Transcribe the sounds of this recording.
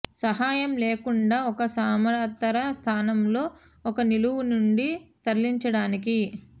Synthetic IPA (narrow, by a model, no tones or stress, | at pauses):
sɐɦaːjɐmleːkuɳɖaːɔkɐsaːmɐaːt̪ːɐɾɐst̪ʰaːnɐmlo̞ː | ɔkɐniluwunuɳɖit̪ɐɾliɲt͡ʃɐɽaːniki